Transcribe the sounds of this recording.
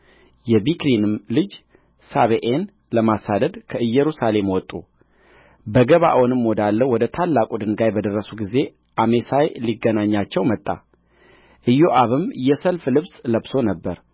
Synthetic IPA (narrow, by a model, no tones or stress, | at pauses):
jɛbikɾinɨmlɨd͡ʒ | saβeʔen | ləmasad̪əd̪kʰəɨjːɛɾusale̞mwɔt̪ʼːu | bəɡəβa̰ʔɔnɨmːod̪alːəwɔd̪ət̪ʰalːakʼud̪ɨnɡajbəd̪ərːəsuɡize̞ | ʔame̞sajliɡːənaɲːat͡ʃːɛwmət̪ʼːa̰ | ʔɨjo̞ʔaβɨmjɛsəlflɨβsləβso̞nəbːəɾ